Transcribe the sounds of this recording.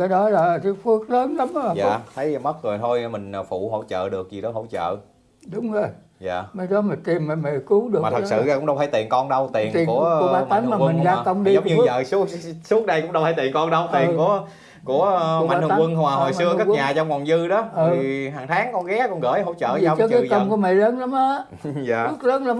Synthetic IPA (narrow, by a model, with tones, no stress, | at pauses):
kaː˨˦jɗɔ˨˦laː˨˩ti˨˦fɨ˦˥ək̚ləː˨˦nla˨˦ŋ͡mza̰˦˨t̪ʰə˨˦jmə˦˥t̚ŋɨ˨˩jt̪ʰo˧jmï˨˩ŋ̟˨˩fṵ˧˩˨ɦo̰˧˩˥t͡ɕə̰ː˧˨ɗɨ˨˩ək̚zi˨˩ɗɔ˨˦ɦo̰˧˩t͡ɕə̰ː˧˨ | ɗʊ˨˦wŋ͡mzo˧j | za̰ː˨mə˨˦jɗɔ˨˦ma˨˩t̪i˨˩mma˨˩ma˨˩ku˨˦ɗɨ˨˩maː˨˩˨ksɨ̰˧˨˧kʊ̰˧˥ŋ͡mɗw̪ʰa˨˦jt̪i˨˩ənkɔ˧nɗə˧wt̪i˨˩˨ənt̪i˨˩ku˧˩əu˧˩˦aː˨˦t̪a˨˦ŋ˧maː˨˩˧mi˨n˩ŋ˧zaː˧˨t̪ə˧wŋ͡mɗi˧zə˨˦ŋ͡mɲɨ˧zə̰ː˧˨su˦˥su˦˥ət̚ɗə˧jkʊ̰˧˥ŋ͡mɗə˧wfʰaː˧˨˦t̪i˨˩ənkɔ˧nɗə˧wt̪i˨˩ə˩nku˧˩ə | ku˧˩ə˨ma˨nɨ˧˨kwɨ˧nhwaː˨˩ho˨˩jsɨ˧əka˦˥˧ɲaː˨˩t͡ɕɔ˧wŋ͡mvɔ˨˩wŋ͡mzɨ˧ɗɔ˨˦ə˨i˨˩ɦaː˨˩ŋt̪ʰaː˨˦ŋkɔ˧nɣɛ˨˦kɔ˧nɣəː˧˩jhɦo̰˧˥wt͡ɕə̰ː˧˨a˨˧wt͡ɕɔ˧˦kaː˨˦˧ə˧ŋ͡mku˧˦əma˨˩jləː˨˦nla˨˦mʔəː˧˦ | zaː˧˨sʊ˦˥t̚ləː˨˦nla˨˦